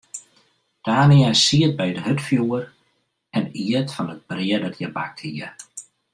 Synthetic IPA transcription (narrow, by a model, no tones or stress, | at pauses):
d̥aːniasiət̚bɛjdəɦøtfjuər | ɛniətfɔnət̚b̥rɪədɔtʰjɛba̰k̚thiə